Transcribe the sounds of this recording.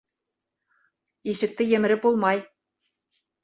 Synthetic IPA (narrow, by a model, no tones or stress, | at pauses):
iʃɘ̆k̚t̪ɘ̆jɘ̆mɘ̆ɾʲɘpbulˠmɑj